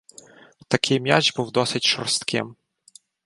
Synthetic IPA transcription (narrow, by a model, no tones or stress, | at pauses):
t̪ɐkʰɪjmʲjad͡ʒbuwd̪ɔsɪtʲʃɔ̰rst̪kɪ̰m